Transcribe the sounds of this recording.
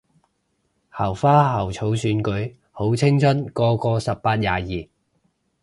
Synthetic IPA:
hɐː˨˩wfaː˥ɦɐ˨˩wt͡sʰo˨˥wsyː˨˥nkɵ˨˥ɥ | ho˨˥wt͡sʰɪ˥ŋt͡sʰɵ˥nkɔː˧kɔː˧sɐ˨p̚ːaː˧t̚jaː˨jiː˨˩

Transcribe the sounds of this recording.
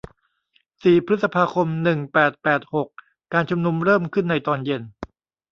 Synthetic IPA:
siː˨˩pʰɾɯ˦˥t̪sa˧pʰaː˧kʰo˧mnɯ˨˩ŋpɛː˨˩t̪̚pɛː˨˩t̪̚ho˨˩k̚ː | aː˧nt͡ɕʰu˧mnu˧mɾɤː˥˩mkʰɯ˥˩nːa˧jt̪ɔː˧nje˧n

